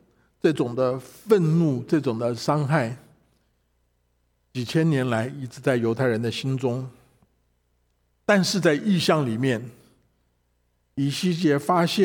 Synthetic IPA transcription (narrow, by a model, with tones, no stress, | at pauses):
ʈ͡ʂɤ˥˩ʈ͡ʂʊ˨˩ŋd̪ə˦fə˥˧nnu˥˧ʈ͡ʂɤ˥˩ʈ͡ʂʊ˨˩ŋd̪ə˦ʂɑ˥ŋxa˥˩ɪ | t͡ɕi˨˩t͡ɕʰjɛ˥njɛ˧˥nla˧˥ɪi˥˩ʈ͡ʂɻ̩˧˥t͡sa˥˩ɪjo˧˥ʊt̪ʰɪɻə˧˥nd̪ə˧ɕi˥nʈ͡ʂʊ˥ŋ | t̪a˥˧nʂɻ̩˥˧t͡sa˥˧ɪi˥˧ɕjɑ˥˩ŋli˨˩mjɛ˥˩n | i˨˩ɕi˥˩t͡ɕjɛ˧˥fa˥ɕjɛ˥